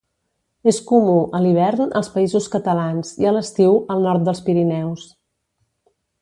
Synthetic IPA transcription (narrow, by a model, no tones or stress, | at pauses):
eskumuʔəliβ̞ɛɾnəlˠspəizuskət̪əlanziələst̪iwəlˠnɔɾt̪̚d̪əlˠspiɾinɛws